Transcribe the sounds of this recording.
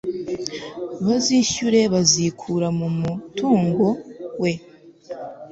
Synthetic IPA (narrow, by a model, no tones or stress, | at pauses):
βaziʃuɾe̞βazikʰuɾamumutʰuːŋɡo̞we̞